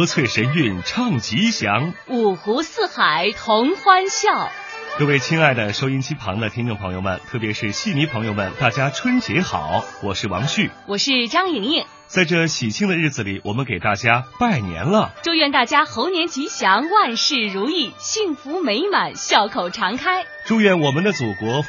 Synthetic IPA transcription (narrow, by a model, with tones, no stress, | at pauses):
ɤ˧˥t͡sʰwe˥˩ɪʂə˧˥ny˥˩nʈ͡ʂʰɑ˥˩ŋt͡ɕi˧˥ɕjɑ˧˥ŋu˨˩xu˧˥sɹ̩˥˩xa˨˩˦ɪt̪ʰʊ˧˥ŋxwa˥nɕjɑ˥˩ʊ | kɤ˥˧we˥˩ɪt͡ɕʰi˥ŋa˥˩ɪd̪ə˩ʂo˥ʊi˥nt͡ɕʰi˥pʰɑ˧˥ŋd̪ə˧t̪ʰi˥ŋnʈ͡ʂŋpʰɤ˧˥ŋjo˧ʊmə̰˨˩nt̪ʰɤ˥˩p̬jɛ˧˥ʂɻ̩˥˧ɕi˥˩mi˧˥pʰɤ˧˥ŋjo˥˧ʊmə˨˩nt̪a˥˩t͡ɕja˥ʈ͡ʂʰwə˥nt͡ɕjɛ˧˥xɑ̰˨˩˦ʊwɔ˨˩ʂɻ̩˥˩wɑ̰˧˥ŋɕy˥˩wɔ˨˩ʂɻ̩˥˧ʈ͡ʂɑ˥ŋi˧˥ŋi˥˩ŋ | t͡sa˥˧ɪʈ͡ʂɤ˥˧ɕi˨˩t͡ɕʰi˥˩ŋd̪ə˧ɻ̩˥˩d͡zɹ̩˨˩li˨˩wɔ˨˩mə˧˦nke˨˩ɪt̪a˥˩t͡ɕja˥pa˥˩ɪnjɛ̰˧˥nlə˧˨ʈ͡ʂo˥ʊjɥɛ˥˧nt̪a˥˩t͡ɕja˥xo˧˥ʊnjɛ˧˥nt͡ɕi˧˥ɕjɑ˧˥ŋwa˥˧nʂɻ̩˥˩ɻu˧˥i˥˩ɕi˥˩ŋfu˧˥me˧˥ɪma˨˩˦nɕjɑ˥˩ʊkʰo˨˩ʊʈ͡ʂʰɑ˧˥ŋkʰa˥ɪ | ʈ͡ʂu˥˧ɥɛ˥˩nwɔ˨˩mə˧˦nd̪ə˧t͡su˨˩kwɔ˧˥